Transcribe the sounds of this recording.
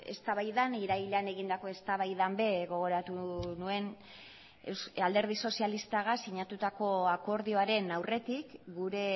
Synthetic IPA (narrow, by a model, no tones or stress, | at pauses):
e̞̰st̪aβajðaniɾajlane̞ɣind̪ako̞e̞st̪aβajðambe̞ɣo̞ɣ̞o̞ɾat̪unue̞n | esald̪e̞ɾð̞iso̞sialist̪aɣasiɲat̪ut̪ako̞ako̞ɾðio̞aɾe̞nawre̞t̪ikɡuɾe̞